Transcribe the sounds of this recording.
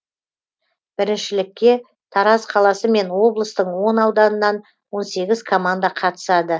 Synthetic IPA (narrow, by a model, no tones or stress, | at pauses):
b̥ɪɾɪnʃɪlɪkʲːe̞ | t̪ʰɑɾɑzqʰɑlˠɑsəme̞nwo̞blˠəst̪əɴwo̞nɑwd̪ɑnənɑn | wo̞nse̞ɡʲɪzkʰo̞mand̪aqʰɑt̪ə̥sɑd̪ə